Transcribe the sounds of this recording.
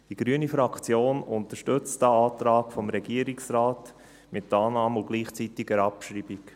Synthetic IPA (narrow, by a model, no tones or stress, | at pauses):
d̥iɡɾyənifɾɑkʰt͡sjoːnʊntəʃtʏt͡staɑːtɾaːkfɔmɾɛɡiəɾiksɾaːt | mɪtːɑːnɑːmʊɡ̥liːχt͡sitɪɡəɾɑpʃɾiːbik